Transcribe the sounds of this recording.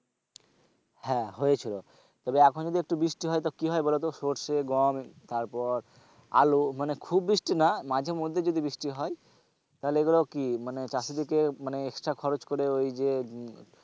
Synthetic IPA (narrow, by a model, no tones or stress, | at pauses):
hɛ̃ɦojet͡ɕʰilo | t̪ɔbeɛkʰond͡ʑod̪iek̚ʈubɾiʃʈiɦɔjt̪ɔkiɦɔjbɔlot̪oʃoʈʃeɡɔmt̪aɾpɔɾ | a̰lumanekʰubːɾiʃʈinamad͡ʑʱeɾmod̪ʱːed͡ʑod̪ʱibɾiʃʈiɦɔe | t̪aɦoleeɡulekimanet͡ɕasid̪ikemaneeksʈɾakʰɔɾot͡ɕkoɾeojd͡ʑe